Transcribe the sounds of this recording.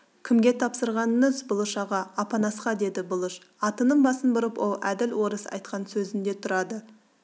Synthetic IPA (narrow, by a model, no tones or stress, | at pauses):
kʲʰɪmɡʲe̞t̪ʰɑpsəɾʁɑnːəzbʊlˠəʃɑʁɑːpɑnɑsqɑd̪e̞d̪ɪbʊlˠəʃ | ɑt̪ənəɴbɑsənbʊɾəpwʔo̞lˠæ̰d̪ɪlwo̞ɾəsɑ̰jt̪qɑnsɵzɪnd̪e̞t̪ʰʊɾɑd̪ə